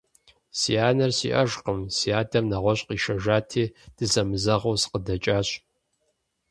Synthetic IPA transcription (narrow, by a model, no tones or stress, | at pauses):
siaːnɐrsḭːʔɐʒqəmsiaːdɐmnɐʁʷɔɕʼqiːʃɐʒaːtʰiːd̥ɨzɐmɨzɐʁowsɨ̥qədɐt͡ʃʼaːɕʼ